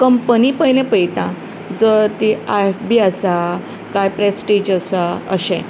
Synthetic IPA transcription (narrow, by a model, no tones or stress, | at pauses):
kəmpənipəjlẽpəjt̪ã | d͡zəɾt̪iaefbiəsa | kajpɾesʈid͡ʑəsaə̰ɕḛ̃